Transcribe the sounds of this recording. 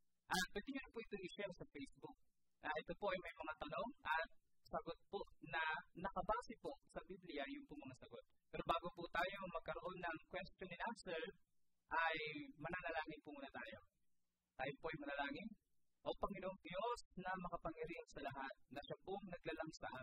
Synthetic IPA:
ʔɐt̪̚pwɛd̪ɪɲʊnpuʔɪt̪oŋɪʃɛɾsɐfɛjsbʊk̪̚ | ɐʔɛt̪o̞po̞ʔɐjmɐjmɐŋat̪ɐno̞ŋʔɐt̪̚ | sɐɡot̪̚poʔnɐnɐkɐbaːsɪposɐbiblɪjɐjʊnpʊŋmɐŋasɐɡo̞t̪̚pɛːɾo̞baːɡopʊt̪aːjo̞mɐɡ̚kɐɾoʔo̞nːɐŋkwɛst̪jonɪnʔansɛɹ | ʔɐjmɐnalɐlaːŋɪnpʊmuːnɐt̪aːjo̞ | t̪aːjopoʔɐjmɐnɐlaːŋɪn | ʔopɐŋɪnoʔoŋd̪jo̞snɐmɐkɐpɐŋjɐɾiʔɐnsɐlɐɦat̪̚nɐʃapʊŋnɐɡ̚laːlɐŋsɐʔa

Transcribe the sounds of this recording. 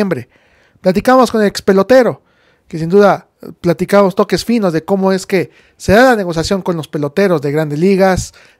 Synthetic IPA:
embɾe | plat̪̬ikamo̞sko̞ne̞lekspe̞lo̞t̪e̞ɾo̞ | ke̞sind̪uða | plat̪ikamost̪o̞ke̞sfino̞zðe̞ko̞moe̞ske̞ | se̞ðalane̞ɣ̞o̞sjasjo̞ŋko̞nlo̞spe̞lo̞t̪e̞ɾo̞zðe̞ɣɾand̪e̞zliɣas

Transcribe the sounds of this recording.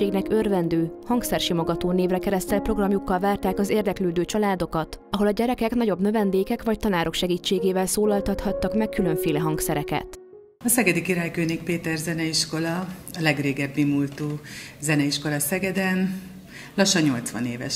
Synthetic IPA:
eːɡnɛkørvɛnd̪øːhɒŋksɛrʃimoɡɒt̪oːneːvrɛkɛɾɛst̪ɛlpro̞ɡrɒmjukːɒlvaːrt̪aːkɒzeːrd̪ɛkløːd̪øːt͡ʃɒlaːd̪o̞kɒt̪ɒɦo̞lɒɟɛɾɛkɛknɒɟo̞bnø̞vɛnd̪eːkɛkʋɒc̚t̪ɒnaːɾo̞kʃɛɡiːt͡ʃːeːɡeːvɛlsoːlɒlt̪ɒt̪hɒt̪ːɒkmɛkːylø̞ɱfeːlɛɦɒŋksɛɾɛkɛ̰t̪ | ɒsɛɡɛd̪ikiɾaːjkøːnik̚peːt̪ɛrzɛnɛiʃko̞lɒɒlɛɡreːɡɛbmimult̪uːzɛnɛiʃko̞lɒsɛɡɛd̪ɛn | lɒʃːɒɲɲo̞lt̪sʋɒ̰neːvɛ̰ʃ

